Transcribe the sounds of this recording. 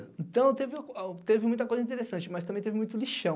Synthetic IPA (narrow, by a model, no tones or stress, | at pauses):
ẽt̪ɐ̃w̃t̪evɪt̪evɪmũj̃t̪ɐkojzɐĩt̪̬eɾesɐ̃nt͡ʃɪmɐst̪ɐ̃bẽj̃t̪evɪmũj̃t̪ʊliʃɐ̃w̃